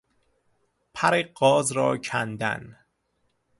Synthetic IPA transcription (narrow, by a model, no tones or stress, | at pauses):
pʰæɾeɢɒːzɾɒ̰ːcʰænd̪æ̰n